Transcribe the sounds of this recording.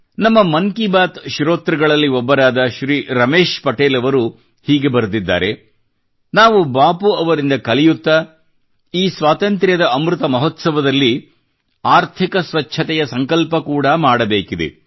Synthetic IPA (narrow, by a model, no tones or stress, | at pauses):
nɐmːɐmɐŋkibaːt̪ʃɾoːt̪ɾɐɡɐɭɐlːiɔbːɐɾaːd̪ɐʃɾiːɾɐmeːʃpɐʈeːlɐʋɐɾu | hiːɡe̞bɐɾd̪id̪ːa̰ːɾe̞ | naːʋubaːpuɐʋɐɾind̪ɐkɐlijut̪ːɐ | iːsʋaːt̪ɐnt̪ɾjɐd̪ɐɐmɾut̪ɐmɐɦɔt̪sɐʋɐd̪ɐlːi | aːɾt̪ʰikɐsʋɐt͡ʃːʰɐt̪ɛjɐsɐŋkɐlpɐkuːɽɐmaːɽɐbeːkid̪ḛ